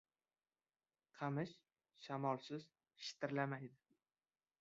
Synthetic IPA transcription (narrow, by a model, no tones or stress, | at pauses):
qʰɑmɪʃ | ʃamɒlˠsɪz | ʃɪ̥t̪ʰɪɾlamajd̪ɪ